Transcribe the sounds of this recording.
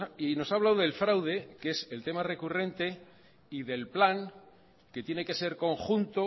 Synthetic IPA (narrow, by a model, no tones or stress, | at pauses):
ino̞saβlawðe̞lfɾawð̞e̞ke̞se̞lt̪e̞mare̞kure̞nt̪e̞ | iðe̞lplaŋ | ke̞t̪je̞ne̞ke̞se̞ɾko̞ŋxunt̪o